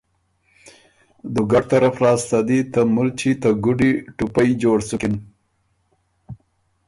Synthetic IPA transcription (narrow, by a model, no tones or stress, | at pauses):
d̪uɡaʈ̚t̪aɾafɾɑːst̪ad̪it̪amult͡ʃit̪aɡʊɖiʈupajd͡ʒoɽsʊkɪn